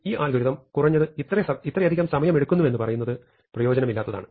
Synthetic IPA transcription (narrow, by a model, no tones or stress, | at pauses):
iːʔaːlɡʱɐɾiðɐmkurɐɲːɐðɨit̪ːrɐɐit̪ːrɐjɐd̪ikʲːɐmsɐmɐjɐme̞ɽukːunːue̞nːɨpɐrɐjunːɐðɨ | prɐjo̞ːd͡ʑɐnɐmilːaːt̪ːɐða̰ːɳɨ